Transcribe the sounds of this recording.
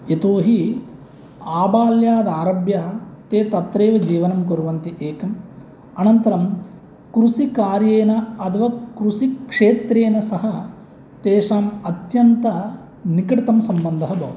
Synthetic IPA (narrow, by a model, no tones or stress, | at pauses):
et̪oːɦi | aːbaːljaːd̪aːɾɐbjaːt̪eːt̪ɐt̪ɾeːʋɐd͡ʒiːʋɐnɐmkoɾuʋɐnt̪iʔeːkɐm | ɐnɐnt̪ɐɾɐm | kɾusikaːɾjeːnɐɐt̪ɐʋɐkɾusikʂeːt̪ɾeːnɐsɐɦɐ | t̪eːʂaːmɐt̪jɐnt̪ɐ | nikɐʈit̪ɐmsɐmbɐnd̪ʱɐɦɐbʱɐ̰ɦud̪